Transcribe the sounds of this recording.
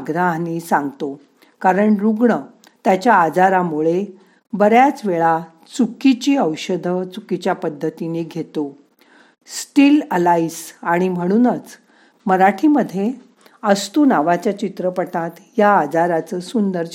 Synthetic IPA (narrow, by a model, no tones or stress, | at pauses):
ɡɾanisãŋɡt̪o | kaɾəɳɾuɡɳə | t̪jat͡ɕjaːd͡zaɾamuɭe | bəɾjat͡sʋeɭa | t͡sukit͡ɕiːəwɕəd̪ʱət͡sukit͡ɕjapəd̪ʱːət̪iniːɡʱet̪o | sʈiːləlaisaɽ̃im̤əɽ̃uːnət͡s | məɾaʈʰiməd̪ʱːje | əst̪unaʋat͡ɕjat͡ɕit̪ɾəpəʈãt̪ | jaːd͡zaɾat͡səːsund̪əɾ